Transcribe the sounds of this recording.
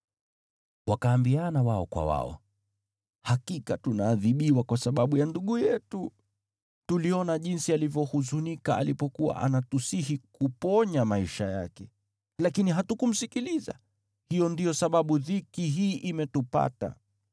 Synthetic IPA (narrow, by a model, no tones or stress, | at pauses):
wakaːmbianawaɔkwa̰wa̰ɔ̰ | hakikatunaːðiɓiwakwasaɓaɓujanduɠujɛtu | tuliɔnaʄinsialivjɔhuzunikaalipɔkuwa̰ʔa̰natusihikupɔɲamaiʃaja̰kɛ | lakiniɦatukum̩sikiliza̰ | hijɔndijɔsaɓaɓuðikiɦiːʔimɛtupa̰ta̰